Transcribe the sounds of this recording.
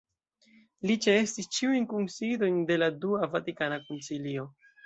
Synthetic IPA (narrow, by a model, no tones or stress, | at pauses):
lit͡ʃeestist͡ʃiujnkunsido̞jnde̞laduavatikanakunsilio̞